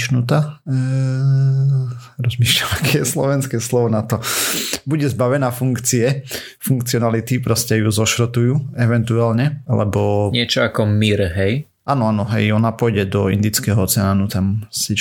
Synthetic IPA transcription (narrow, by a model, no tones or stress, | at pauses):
ʃnut̪a | ɾɔzmiːʃʎamakɛjɛslɔ̰ʋɛnskɛslɔʋɔnat̪ɔbuɟɛzbaʋɛnaːfuŋkt͡siɛ | fuŋkt͡siɔnalit̪ipɾɔscɛjuzɔʃɾɔt̪ujuːɛʋɛnt̪ualɲɛlɛ̰bɔɲɪɛt͡ʃɔakɔmiɾɦɛj | ʔaːnɔanɔɦɛ̰jɔnapɔjɟɛd̪ɔḭnd̪it͡skɛɦɔɔt͡sɛaːnut̪amsi